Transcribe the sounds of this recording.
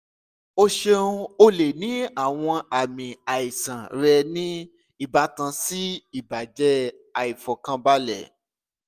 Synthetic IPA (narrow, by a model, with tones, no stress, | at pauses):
o˧ʃe˧ũ˧o˧le˨nĩ˨˦a˦˨w̃ɔ̃˧a˨mĩ˨a˨i˨sã˨ɾɛ˧nĩ˦ | i˦˨ba˨˦tã˧si˦i˦˨ba˨d͡ʒɛ˦ | a˨i˨fɔ˨kã˧˦ba˦lɛ̰˦˨